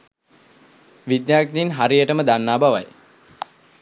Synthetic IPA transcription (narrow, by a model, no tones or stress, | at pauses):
ʋid̪jaːkinɦaɾijəʈəməd̪anːaːbaʋa̰j